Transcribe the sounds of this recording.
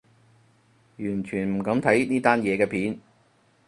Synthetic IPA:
jyː˨˩nt͡ʃʰyː˨˩nm̩˨˩kɐ˨˧˥mt̪ʰɐ˨˥jniː˥t̪aː˥njɛː˨˧kɛː˧pʰiː˨˥n

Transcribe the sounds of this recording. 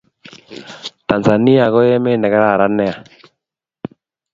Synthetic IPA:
ta˨nza˨ni˦a˨ɣɔ˦jɛ˦me˦nɛ˨ɣɛ˦ɾa˦˨ɾa˦nɛ˦a˨

